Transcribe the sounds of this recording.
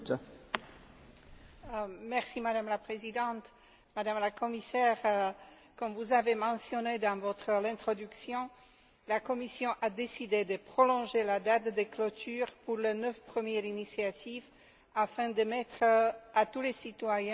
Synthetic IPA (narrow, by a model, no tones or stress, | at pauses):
mɛʁsimad̪amlapχezid̪ɑ̃t̪ | mad̪amlakɔmisɛʁ | kɔmvuzavemɑ̃sjɔned̪ɑ̃vɔt̪χəlɛ̃t̪χɔd̪yksjɔ̃ | lakɔmisjɔ̃ʔad̪esid̪ed̪əpχɔlɔ̃ʒelad̪at̪d̪eklɔt̪yːʁpuʁlənœfpχəmjɛʁinisjat̪ʰiv | afɛ̃d̪əmɛt̪χat̪ulesit̪wajɛ̃